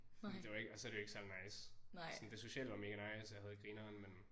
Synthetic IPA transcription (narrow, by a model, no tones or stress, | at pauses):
ed̥eʋɑ̈e̝ɡ̥əɒsɒ̽æɐɾ̥ejoe̝ɡ̥sæl̰nɑ̈ɪ̰ssɒnd̥e̝so̝ɕɛ̰ːl̰ʋɑ̈me̝ːɡ̥ænɑ̈ɪsjɑ̈hæðˠɡ̥ʁiːnɐːnmen